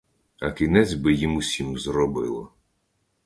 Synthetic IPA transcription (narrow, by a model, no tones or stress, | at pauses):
ɐkʲinɛt͡sʲbɪjimusʲimzrɔbɪlˠɔ